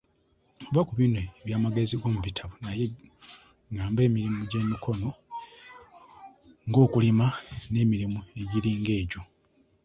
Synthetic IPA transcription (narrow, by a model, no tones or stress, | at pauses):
uvakuβineːβjaːmaɡe̞ziɡo̞ːmuβitʰaβonaje | ŋaːmbe̞ːmiɾimuɟe̞mikʰo̞no̞ | ŋɡo̞ːkulimane̞ːmiɾimue̞ɟiɾiːŋɡe̞ːɟo̞